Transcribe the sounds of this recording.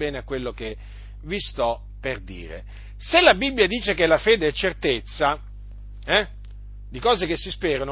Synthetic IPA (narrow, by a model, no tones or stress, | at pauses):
ɛːneakːwelːoke | vist̪ɔ | pːerd̪ḭːɾḛ | selabibːjad̪iːt͡ʃekelafeːd̪eɛt͡ʃːert̪et̪sːa | ɛ | d̪ikɔːzekesːispeːɾan